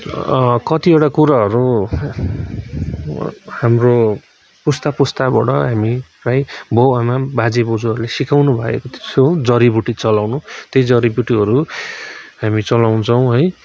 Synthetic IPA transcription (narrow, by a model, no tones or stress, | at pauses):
kʌt̪iewʈakuɾaɦʌɾu | hamro | pust̪apust̪abʌ̰ʈʌɦamiprajbʌwamabad͡zebod͡zuʌɾulesikawnubʱʌḛkot̪ʰsod͡zʌɾibuʈit͡sʌlawnut̪ejd͡zʌɾibjuʈiɦʌɾu | ɦamit͡sʌlawnt͡sʰʌw̃ɦʌj